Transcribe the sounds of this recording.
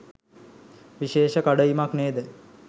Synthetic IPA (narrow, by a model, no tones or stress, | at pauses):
ʋiʃeːʃəkaɖəimakneːd̪ə